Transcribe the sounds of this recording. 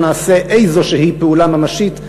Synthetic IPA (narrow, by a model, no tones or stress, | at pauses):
naːse̞ʔejzo̞ʃehipeulamamaʃit